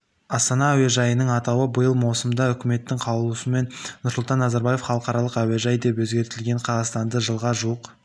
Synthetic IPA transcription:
ɑst̪ɑnɑːweʒɑjənəɴɑt̪ɑwəbəjəlˠmɑwsəmd̪ɑʏkʲɪme̞t̪ːɪŋqʰɑlˠuusəme̞nnʊɾsʊlt̪ɑnːɑzɑɾbɑje̞fχɑlˠəqɑɾɑlˠəqæweʒɑjd̪e̞pwɵzɡʲe̞ɾt̪ɪlɡʲe̞ɴqʰɑzɑst̪ɑnd̪əʒəlˠʁɑʒuwəq

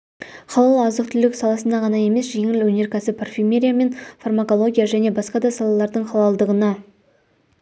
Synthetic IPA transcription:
χʰɑlˠɑlˠɑzəqt̪ʰʏlɪksɑlˠɑsənd̪ɑʁɑnɑje̞me̞sʒe̞ŋɪlwɵne̞ɾkʲʰæsɪpʰorfʲimʲeɾʲijame̞nfarmako̞lˠo̞ɡʲijaʒæne̞bɑsqɑd̪ɑsɑlˠɑlˠɑɾd̪əɴχɑlˠɑlˠd̪əʁənɑ

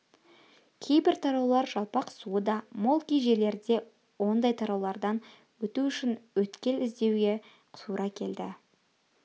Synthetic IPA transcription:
kʲʰe̞jbɪɾt̪ʰɑɾɑwlˠɑɾʒɑlˠpɑqsuəd̪ɑmo̞lˠkʲijʒe̞le̞ɾd̪e̞ | wo̞nd̪ɑjt̪ʰɑɾɑwlˠɑɾd̪ɑn | wɵt̪uʏʃɪnwɵt̪kʲe̞lɪzd̪e̞wɡʲe̞ | qt̪ʰuɾʔɑkʲʰe̞ld̪ɪ

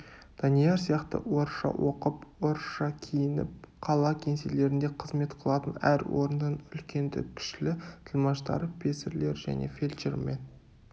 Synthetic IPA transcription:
d̪̥ɑnijɑɾsijɑqt̪ə̰wo̞ɾʃɑ̰wʔo̞qəpwo̞ɾʃɑkʲʰejɪnɪ̰p̚qʰɑlˠɑkʲʰe̞nsele̞ɾɪnd̪eqʰəzme̞t̪qʰəlˠɑt̪ənæɾwo̞̰ɾənd̪ənʏ̰lkʲe̞nd̪ɪ̰kʲʰɪ̥ʃlɪt̪ʰəlˠmɑʃt̪ɑ̰ɾəpʲʰe̞sɪɾle̞ɾʒæ̰ne̞̰fʲelʲt͡ʃeɾme̞n

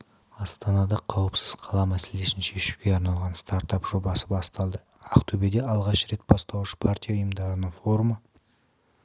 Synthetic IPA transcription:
ɑst̪ɑnɑd̪ɑqʰːɑwəpsɪz̥qʰɑlˠɑmæse̞le̞sɪnʃe̞ʃu̥kʲe̞ɑɾnɑlˠʁɑnst̪aɾt̪ɑpʒ̥o̞bɑsəbɑst̪ɑlˠd̪ə | ɑqt̪ʰɵbe̞d̪e̞ɑlˠʁɑʃɾe̞t̪̚bɑst̪ɑlˠuʃə̥pʰart̪ʲijɑʊjəmd̪ɑɾənəɴfo̞ɾumə

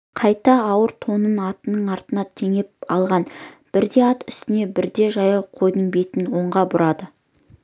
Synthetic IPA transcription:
qʰɑjt̪ɑːwəɾt̪ʰo̞nənɑt̪ənəɴɑɾt̪ənɑt̪ʰeŋe̞p̚ɑlˠʁɑnb̥ɪɾd̪e̞ɑt̪ʏst̪ɪne̞bɪɾd̪e̞ʒɑjəqʰo̞jd̪əŋbe̞t̪ɪnwo̞ɴʁɑbʊɾɑd̪ə

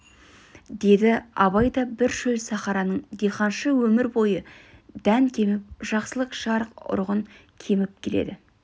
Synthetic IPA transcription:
d̪e̞d̪ɪɑβɑjd̪ɑbɪɾʃɵlsɑχɑɾɑnəɴd̪eqɑnʃəwɵmɪɾbo̞jəd̪̥æŋkʲʰe̞mɪp̚ʒ̥ɑqsəlˠəqʃɑɾəqʊ̰ɾʁəŋ | kʲʰe̞mɪp̚kʲʰe̞le̞̰d̪ɪ

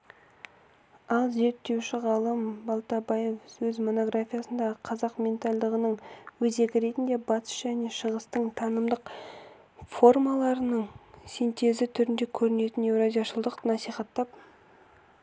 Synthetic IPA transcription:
ɑlˠze̞ɾt̪ːe̞wʃɪʁɑlˠəmbɑlˠt̪ɑbajefsɵzmo̞no̞ɡɾafʲijasənd̪ɑqʰɑzɑqmʲe̞nt̪alʲd̪əʁənəɴwɵze̞ɡʲɪɾe̞t̪ɪnd̪e̞bɑt̪ʰə̥sʒ̥æne̞ʃəʁəst̪əɴt̪ʰɑnəmd̪əq | fo̞rmɑlˠɑɾənəɴsint̪e̞zɪt̪ʰʏɾɪnd̪e̞kʲʰɵɾɪne̞t̪ɪnevɾazijaʃəlˠd̪əqnɑsijχɑt̪ːɑp̚

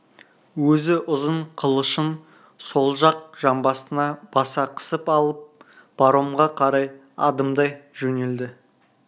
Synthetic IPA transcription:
wɵzɪʔʊzəɴqʰəlˠəʃən | so̞lˠʒɑq̚ʒ̥ɑmbɑsənɑb̥ɑsɑqʰə̥səpɑlˠəp̚ | b̥ɑɾomʁɑqʰɑɾɑj | ɑ̰d̪əmd̪ɑjʒɵne̞ld̪ɪ

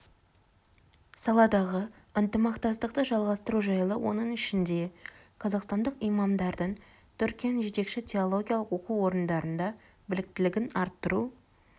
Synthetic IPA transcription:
sɑlˠɑd̪ɑʁə | ənt̪əmɑqt̪ɑst̪əq̚t̪əʒɑlˠʁɑst̪əɾuʒɑjəlˠəwʔo̞̰nəɴɪʃɪnd̪e̞qʰɑzɑqst̪ɑnd̪əqijmɑmd̪ɑɾd̪əɴ | t̪ʰʏɾkʲijanʒe̞t̪e̞kʃɪt̪ʲʰe̞olˠo̞ɡʲijalˠəqo̞quwo̞ɾənd̪ɑɾənd̪ɑ | bɪlɪk̚t̪ɪlɪɡʲɪnɑɾt̪ːəɾu

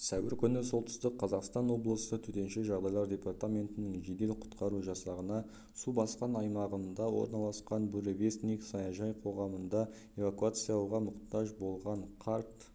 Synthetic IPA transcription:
sæwɪɾkʲʰʏnɪso̞lˠt̪ə̥st̪əqʰːɑzɑqst̪ɑnwo̞blˠəsət̪ʰʏt̪e̞nʃeʒɑʁd̪ɑjlˠɑɾd̪ʲe̞part̪amʲe̞nt̪ɪnɪŋʒed̪e̞lqʰʊ̥t̪qɑɾuʒɑsɑʁənɑ | subɑsqɑnɑjmɑʁənd̪ɑwo̞̰ɾnɑlˠɑsqɑnbuɾevʲe̞st̪niksɑjɑʒɑjqʰo̞ʁɑmənd̪ɑ | e̞vakuat̪sɨjalʁɑmʊqt̪ɑʒbo̞lˠʁɑɴqʰɑɾt̪

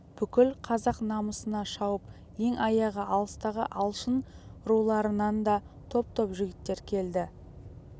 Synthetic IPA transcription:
b̥ʏkʲɪlqʰɑzɑqnɑməsənɑʃɑwəp | je̞ŋɑjɑʁəɑlˠəst̪ɑʁəʔɑlˠʃənɾulˠɑɾənɑnd̪ɑ | t̪ʰo̞p̚t̪ʰo̞pʒʏɡʲɪt̪ːe̞ɾkʲʰe̞ld̪ɪ

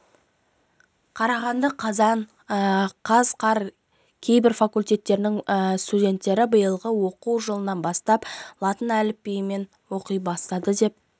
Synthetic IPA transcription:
qʰɑɾɑʁɑnd̪əqʰɑzɑn | qʰɑzqʰɑɾ | kʲʰe̞jbɪɾfakulʲt̪ʲe̞t̪ːe̞ɾɪnɪŋst̪udʲe̞nt̪ːe̞ɾɪbəjəlˠʁəwo̞quwʒəlˠənɑnbɑst̪ɑplˠɑt̪ənælɪpːejme̞n | wo̞qəjbɑst̪ɑd̪əd̪e̞p̚

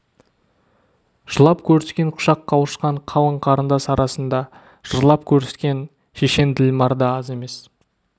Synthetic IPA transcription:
ʒ̥əlˠɑpkʲʰɵɾseskʲe̞ɴqʰʊ̥ʃɑqːɑwəʃqɑɴqʰɑw̪ˠəɴqʰɑɾənd̪ɑsɑɾɑsənd̪ɑ | ʒ̥əɾlˠɑpkʲʰɵɾeskʲe̞n | ʃeʃe̞nd̪ɪlmɑɾd̪əɑze̞me̞s

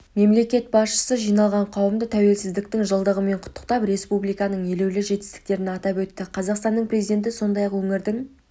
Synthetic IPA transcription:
me̞mle̞kʲe̞t̪̚bɑsʃə̥səʒijnɑlˠʁɑɴqʰɑwəmd̪ət̪ʰæwe̞lsɪzd̪ɪk̚t̪ɪŋʒəlˠd̪əʁəme̞ɴqʰʊ̥t̪ʰːə̥q̚t̪ɑpre̞spublijkɑnəɴje̞lewlɪʒe̞t̪ɪst̪ɪ̥k̚t̪e̞ɾɪnɑt̪ɑpwɵt̪ːɪqʰɑzɑqst̪ɑnːəɴpʰrʲezijd̪e̞nt̪̬ɪso̞nd̪ɑjɑqwɵŋɪɾd̪ɪŋ

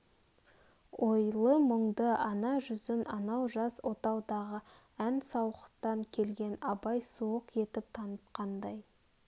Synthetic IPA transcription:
wʔo̞jlˠəməɴd̪əɑnɑʒʏzɪnɑnɑwʒɑswo̞t̪ɑwd̪ɑʁə | ænsɑwqət̪ɑŋkʲʰe̞lɡʲe̞nɑbɑjsuəqje̞t̪ɪp̚t̪ʰɑnət̪qɑnd̪ɑj

